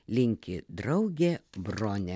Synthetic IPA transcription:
lʲɪŋʲkʲɪd̪ɾɒʊɡʲeːbɾoːnʲɛ

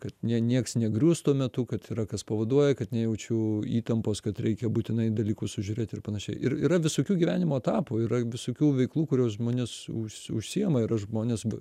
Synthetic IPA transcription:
kɐt̪nʲɛɛnʲiɛksnʲɛɡɾʲuːst̪uɔmʲɛt̪ʊkɐt̪iɾɐkɐspɐʋɐd̪uɔjɛkɐt̪nʲɛjɛʊt͡ʃʲɛiːt̪ɐmpoːskɐt̪ɾʲɛɪkʲɛbuːt̪ʲɪnɐɪd̪ɐlʲiːkʊssʊʒʲʊɾʲeːt̪ʲɪrpɐnɐʃʲɛɪʔɪɾiɾɐʋʲɪsoːkʲuːɡʲiʋʲæːnʲɪmoːt̪ɑːpuɪɾɐʋʲɪsoːkʲuːʋʲɛɪklˠuːkʊɾʲuːsʒmoːnʲɪsʊʃʲsʊʃʲsʲijɛmɐɪɾɐʃʒmoːnʲeːsb

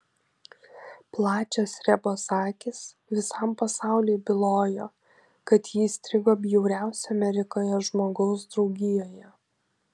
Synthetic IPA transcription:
plˠɑːt͡ʃʲosɾʲɛbosɑːkʲɪs | ʋʲɪsɐmpɐsɑˑʊlʲeɪbʲɪlˠoːjoː | kɐt̪jiːsʲt̪ʲɾʲɪɡoːbʲjɛʊɾʲæˑʊsʲɛɐmʲɛɾʲɪkoːjɛʒmoːɡɒʊs̬d̪ɾɒʊɡʲɪjoːjɛ

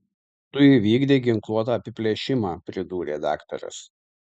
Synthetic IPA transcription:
t̪ʊjɪʋʲiːɡd̪ʲeːɡʲɪŋklˠuɔt̪ɑɐpʲɪpʲlʲeɛʃʲɪmɑːpʲɾʲɪd̪uːɾʲḛːd̪ɑ̰ːkt̪ɔ̰ɾʲʊ̰s

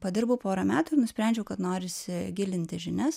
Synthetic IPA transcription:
pɐd̪ʲɪɾbɐʊpoːɾɐmʲæːt̪ʊːɪɾnʊsʲpʲɾʲæˑnʲd͡ʒʲɛʊkɐt̪noːɾʲɪsʲɪɡʲɪlʲɪnʲt̪ʲɪʒʲɪnʲɛs

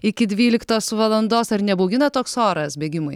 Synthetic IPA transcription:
ɪkʲɪd̪ʲʋʲiːlʲɪkt̪oːsʋɐlˠɐnd̪oːsɐɾnʲɛbɔʊɡʲɪnɐt̪oːksoːɾɐsbʲeːɡʲɪmʊɪ

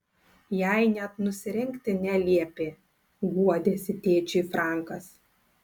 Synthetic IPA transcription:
jæɪnʲɛt̪nʊsʲɪɾʲɪŋʲkt̪ʲɪnʲɛlʲiɛpʲɪ | ɡuɔd̪ʲeːsʲɪt̪ʲeːt͡ʃʲeifɾɑˑŋˑkɐs

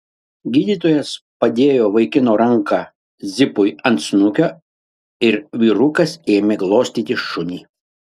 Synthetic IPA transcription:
ɡʲiːd̪ʲiːt̪oːjɛs | pɐd̪ʲeːjoːʋɐɪkʲɪnoːɾɐŋkɑː | zʲɪpʊjɐnt̪snʊkʲoː | ɪɾʋʲiːɾʊkɐseːmʲeɡlˠoːsʲt̪ʲiːt̪ʲɪʃʊnʲiː

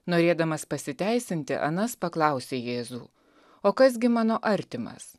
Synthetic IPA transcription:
noːɾʲeːd̪ɐmɐspɐsʲɪt̪ʲæˑɪsʲɪnʲt̪ʲɪ̰ʔɐ̰nɐspɐklˠɐˑʊsʲeːjeːzuː | oːkɐs̬ɡʲɪmɑːnoːʔɐɾʲt̪ʲɪmɐ̰s

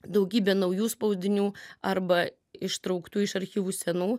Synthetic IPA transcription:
d̪ɐʊɡʲiːbʲɛːnɐʊjuːspɐʊzʲdʲɪnʲuːɐɾbɐ | ɪʃt̪ɾɐʊkt̪uːɪʃɐɾʲxʲiːʋuːsʲɛnuː

